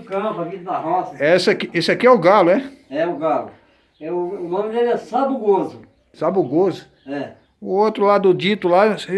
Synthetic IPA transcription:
ʊkɐ̃pɐvid̪ɐd̪ɐhɔsɐɛsɐkiesɪakiɛʊɡalʊɛɛʊɡalʊ | ɛʊʊnõmɪd̪elɪɛsabuɡozʊ | sabuɡozʊ | ɛ | ʊot̪ɾʊlad̪ʊd͡ʒit̪ʊla

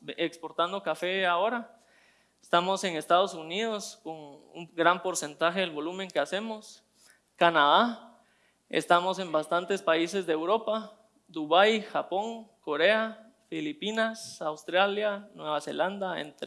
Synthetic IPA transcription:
ekspo̞ɾt̪and̪o̞kafe̞ao̞ɾa | est̪amo̞se̞ŋest̪að̞o̞suniðosko̞ŋṵmɡɾampo̞ɾse̞nt̪axe̞ðelβo̞lumẽ̞ŋkease̞mo̞s | kanaða | ḛst̪amo̞se̞mbast̪ant̪e̞spaise̞zd̪eːwɾo̞pa | d̪uβajxapo̞ŋkoɾe̞a | filipinasawst̪ɾaljanwe̞βase̞̰land̪aḛnt̪

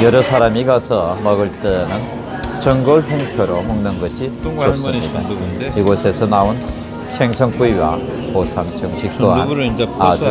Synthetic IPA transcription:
jʌɾʌsʰaɾamiɡasʰʌmʌɡɯɭt͈enɯn | t͡ɕʌŋɡoɭɸeŋtʰjʌɾomʌŋnɯnɡʌɕʰit͡ɕos͈ɯɲida̰iɡosʰe̞sʰʌnaon | sʰeŋsʰʌŋk͈uiwa̰ | posʰamt͡ɕʌŋɕʰik̚t͈oana

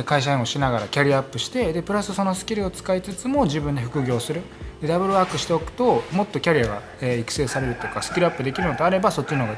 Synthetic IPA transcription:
kaiɕ̬aẽo̞ɕinaɡaɾakʲaɾʲiapːɯ̟ɕi̥t̪e̞d̪e̞pɯ̟ɾasɨso̞no̞sɨ̥kʲiɾɯo̞t͡sɨ̥kait͡sɨt͡sɨmo̞ʑibɯ̟̃nd̪eɸɯ̟̥kɯ̟ɡʲo̞ːsɨɾɯ̟ | d̪̥e̞d̪abɯ̟ɾɯ̟βaːkɯ̟ɕi̥t̪e̞o̞kɯ̟̥t̪o̞mo̞t̪ːo̞kʲaɾʲiaɡa̰ | eikɯ̥se̞ːsaɾe̞ɾɯ̟t̪okasɨ̥kʲiɾɯapːɯd̪e̞kʲiɾɯ̟no̞d̪eaɾe̞baso̞t͡ɕːinoɡa

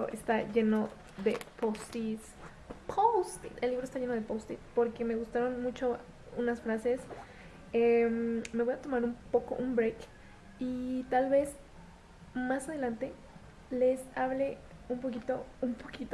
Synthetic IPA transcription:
oʔḛst̪aʝe̞no | ðepost̪is | pʰost̪iselːiβɾoest̪aʝe̞noð̞e̞post̪ispo̞ɾke̞me̞ɣust̪aɾo̞nmut͡ʃo̞ | unasfɾase̞s | emme̞βojat̪o̞maɾumpo̞ko̞̰ʔumbɾek | it̪alβe̞z | masaðe̞lant̪e̞ | le̞saβle̞ | ump̬okit̪o̞umpʰokit̪o

